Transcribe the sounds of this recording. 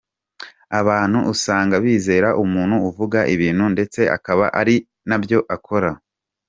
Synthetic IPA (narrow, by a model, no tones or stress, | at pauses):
aβaːn̥huʔːsaːŋɡaβiːze̞ːɾaʔumuːnhuːvuɡaʔiβiːnhunde̞t͡se̞ʔa̰kaβa̰ʔaɾi | nabjo̞ʔakʰo̞ɾa